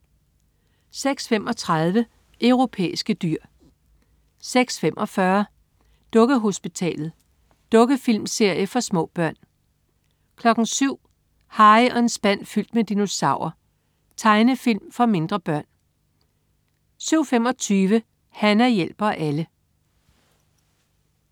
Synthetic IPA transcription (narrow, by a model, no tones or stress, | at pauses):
seɡ̥sfem̰ɒ̽t͡sʰʁað̞ˠʋə | œʊʁo̝pʰḛːisɡ̥əd̥yɐ̰ | seɡ̥sfem̰ʔɒ̽fɶɐ | d̥ɔ̽ɡ̥əɦo̝sb̥it͡sʰɛ̰ːlð̩ˠ | d̥ɔ̽ɡ̥əfilmse̝ɐ̰jəfɒ̽smɔ̰̽ːb̥ɶɐ̰n | kʰlɒ̽ɡ̥n̩syʊ̰ | hɑ̈ɪɒ̽e̝nsb̥æn̰fyl̰d̥med̥ino̝sɑ̈ʊ̰ɐ | t͡sʰɑ̈ɪnəfil̰mfɒ̽me̝nd̥ʁɐb̥ɶɐ̰n | syʊ̰fem̰ɒ̽t͡sʰyːʋə | hænæɐjel̰b̥ɐʔælə